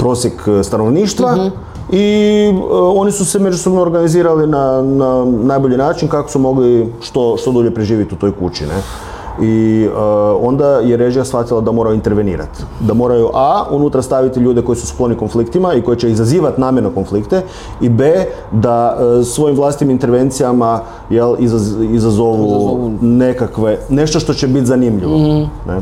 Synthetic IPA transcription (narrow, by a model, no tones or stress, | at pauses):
pɾo̞ːsjekst̪ano̞ʋniːʃt̪ʋa | i | o̞nisuseme̞d͡ʒuso̞bnoɾɡaniziːɾalinananaːjbo̞ʎinaːt͡ʃinkakosumo̞ɡliʃt̪oʃt̪o̞d̪uːʎe̞pɾeʒiːʋit̪iut̪o̞jkṵt͡ɕḭne | iəo̞nd̪ajeɾe̞ʒijasfʋat̪ilad̪amo̞ɾajuint̪eɾʋe̞nḭːɾa̰t̪d̪amo̞ːɾajuʔaunut̪ɾast̪aʋit̪iʎuːd̪e̞ko̞jisusklˠo̞niko̞nflikt̪imaiko̞jet͡ɕe̞izaziːʋat̪naːmjenokonflikt̪e | ibe | d̪asʋo̞jimʋlˠasit̪imint̪e̞ɾʋe̞nt̪sijama | jelizizazoʋunekakʋene̞ʃt̪o̞ʃt̪o̞t͡ɕebit̪zanimʎiʋone